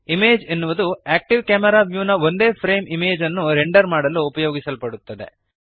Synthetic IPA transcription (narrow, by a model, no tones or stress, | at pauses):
imeːd͡ʒenːuʋɐd̪uaːk̚ʈiʋkʲaːmɐɾaːʋjuːnɐʋo̞nd̪e̞ːpʰɾe̞ːmimeːd͡ʒɐnːuɾeɳɖɐɾmaːɽɐlːuːpɐjoːɡisɐlpɐɽut̪ːɐd̪e̞̰